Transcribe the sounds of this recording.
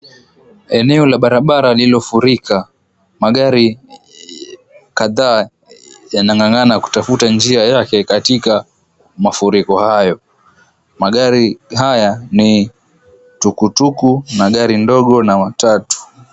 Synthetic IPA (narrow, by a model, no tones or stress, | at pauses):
ɛnɛɔlaɓaɾaɓaɾalilɔfuɾikʰa | maɠaɾi | kaðaː | janaŋɡaŋanaku̥tafutand͡ʒiajakɛkatika | mafuɾikɔhajɔ | maɠaɾiɦajani | tukutukunaɠaɾindɔɠɔnaatatu̥